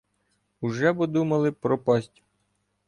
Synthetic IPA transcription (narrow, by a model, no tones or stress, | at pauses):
uʒɛbʊd̪umɐlˠɪpɾɔpɑsʲtʲ